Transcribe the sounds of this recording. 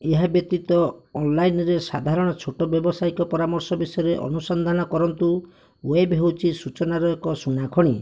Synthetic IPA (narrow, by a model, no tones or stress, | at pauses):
eɦabjɔt̪it̪ɔɔnlajinɔɾesad̪ʱaɾɔɽ̃ɔt͡ʃʰoʈɔbjɔbɔsajkɔpɔɾamɔɾsɔbisɔjɔɾeʔɔ̰nusɔnd̪ʱanɔkɔɾɔnt̪u | oebɦewt͡ʃʰisut͡ʃɔnaɾɔekɔsunakʰɔɽ̃i